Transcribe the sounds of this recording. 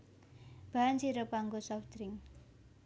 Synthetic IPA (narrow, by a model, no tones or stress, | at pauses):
b̥aansiɾopaŋɡosɔft̪ɾɪŋ